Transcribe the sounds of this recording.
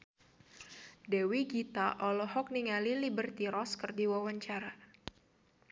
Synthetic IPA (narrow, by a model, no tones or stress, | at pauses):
dɛwiɡit̪aʔɔlɔɦɔk̚niŋalilibərt̪iɾɔskərdiwawaɲt͡ʃaɾa